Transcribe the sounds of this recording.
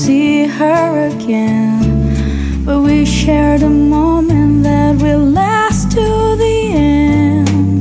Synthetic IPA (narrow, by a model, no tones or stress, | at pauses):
siə˞ɨɡɛ̃n | b̥ʌt̚wiʃɛɹɾəmõʊ̃mɨ̃nðɨt̚willæ | stʰu | ði | ɛ̃ | n | d̥